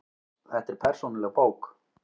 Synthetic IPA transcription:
θɛht̪ɛɾ̥pʰɛr̥sunalɛɣpoːwk

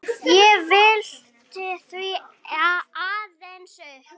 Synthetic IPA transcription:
jɛvɪl̥ | t̪ʰɪθvi | aaːðɛnsʏ

